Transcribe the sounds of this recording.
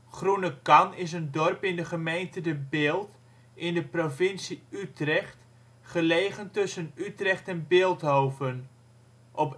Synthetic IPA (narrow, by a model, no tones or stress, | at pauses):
χrunəkɑnɪs̬əndɔrpɪndəχəmejntədəbɪːlˠt | ʔɪndəprovɪnsiytrɛχt | χəleːχəntɵsənytrɛχtɛnbɪːlˠtɦowvən | ʔɔp